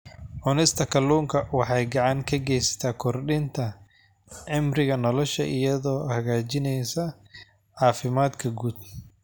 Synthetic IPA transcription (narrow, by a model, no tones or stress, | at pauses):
ʕʊnɛjst̪ʰɐkʰɐluːŋkʰɐwɑħɑjɡɑʕɑŋkʰɐɡɛjsɐ̥t̪ʰaːkʰɔrɗɪnt̪ʰɐ | ʕɪmrɪɣɐnɔlɔʃɐ̰ʔɪjɐðɔːhɐɣaːt͡ʃɪnɛjsɐ | ʕɑːfɪmaːd̪kʰɐɡuːd̪̚